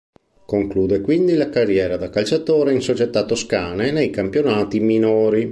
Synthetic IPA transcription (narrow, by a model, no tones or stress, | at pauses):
koŋkluːd̪ekwind̪ilakarːjɛːɾad̪akalt͡ʃat̪oːɾeinsot͡ʃet̪at̪ːoskaːnenejkampjonaːt̪iminoːɾi